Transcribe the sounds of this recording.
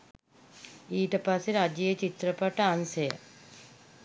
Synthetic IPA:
iːʈɐpaseɾad͡ʒijət͡ʃit̪ɾəpɐʈɐansɐjə̰

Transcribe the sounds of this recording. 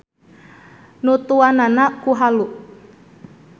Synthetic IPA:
nut̪uananakuɦaluʔ

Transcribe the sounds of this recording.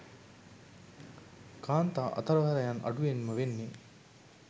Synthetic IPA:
kaːnt̪aːʔɐ̰t̪ɐɾɐʋɐɾɐjɐnɐ̰ɖuʋenməʋenːe

